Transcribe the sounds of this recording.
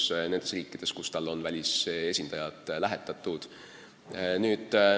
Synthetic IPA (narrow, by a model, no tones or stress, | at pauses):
sne̞nd̪e̞sriːkːˑid̪̥e̞skust̪ɑlːo̞nvælʲise̞sʲind̪ɑjɑt̪ˑlæɦet̪ːˑɑt̪ːˑud̪̥ | nyːd̪̥